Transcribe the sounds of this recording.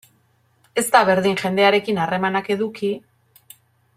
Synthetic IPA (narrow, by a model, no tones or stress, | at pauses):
e̞st̪aβe̞ɾðiŋʝe̞nd̪e̞aɾe̞kinare̞manake̞ðuki